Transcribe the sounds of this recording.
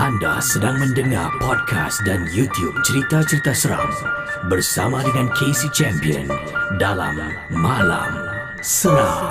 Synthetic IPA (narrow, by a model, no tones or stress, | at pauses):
ʔanda̰sədaŋmə̃ndəŋa̰rpɔd̚kʰa̰sdanjut̪jub̚t͡ʃəɾit̪at͡ʃəɾit̪asəɾa̰ŋbərsa̰madəŋankʰesit͡ʃɛmpiə̰n | dala̰mː | ãla̰m | səɾaŋ